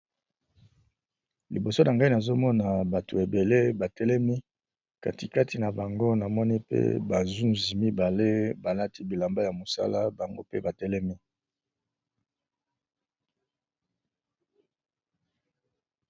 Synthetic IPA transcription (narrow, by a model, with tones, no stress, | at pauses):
lḭ˨bo˨so˦na˨ŋɡa˦i˦na˨zo˦mɔ˦na˨ba˨to˨e˨be˨le˦ba˨tɛ˦lɛ˦mi˦ | ka̰˨ti˨ka˦tʰi˨na˨ba˨ŋɡo˦na˨mɔ˦ni˦pḛ˦ba˨zu˦nzi˨mi˦ba˨le˦ba˨la˦ti˦bi˨la˨mba˦ja˨mo˨sa̰˦la˦ba˨ŋɡo̰˦pe˦ba˨tɛ˦lɛ˦mi˦